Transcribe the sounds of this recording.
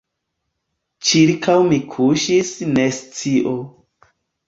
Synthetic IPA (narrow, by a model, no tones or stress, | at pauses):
t͡ʃiɾkʰawmikʰuʃisnest͡siʔo